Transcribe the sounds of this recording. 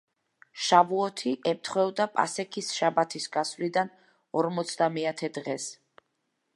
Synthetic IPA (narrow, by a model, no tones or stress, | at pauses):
ʃavuɔt̪ʰiʔɛmt̪ʰχwɛvd̪apʼa̰sɛkʰisʃabat̪ʰisɡasvlid̪an | ɔɾmɔt̪sʰd̪amɛat̪ʰɛd̪ʁɛs